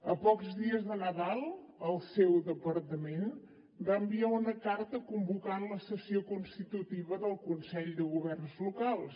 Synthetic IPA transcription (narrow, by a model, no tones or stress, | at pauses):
əpɔkzðiəzðənəðalˠəlˠsewðəpəɾt̪əmen | baəmbiaunəkaɾt̪əkumbukanləsəsiokunst̪it̪ut̪iβəðəlˠkunsɛʎd̪əɣuβɛrnzlukalˠs